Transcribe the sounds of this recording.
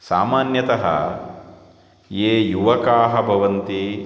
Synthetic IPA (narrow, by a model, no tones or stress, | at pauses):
sa̰ːmaːnjɐt̪ɐɦɐ̰ | jeːjuʋɐkaːɦɐbʱɐʋɐnt̪i